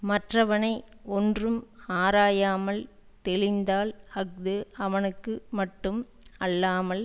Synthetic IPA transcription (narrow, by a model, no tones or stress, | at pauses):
mɐʈrɐʋɐnɐɪ | ɔndrɯmaːɾaːjaːmɐl | t̪ɛɭɪnd̪aːlhɐk̚d̪ɯɐʋɐnɯkːɯmɐʈːɯm | ɐlːaːmɐl